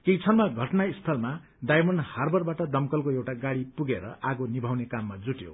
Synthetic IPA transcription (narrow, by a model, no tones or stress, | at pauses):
kejt͡sʰʌrmaɡʱʌʈnaist̪ʰʌlma | d̪ajmʌnharbʱʌrbaʈʌd̪ʌmkʌlkoewʈaɡaɽipuɡeɾʌ̰ʔaɡonibʱawnekamːad͡zuʈjo̰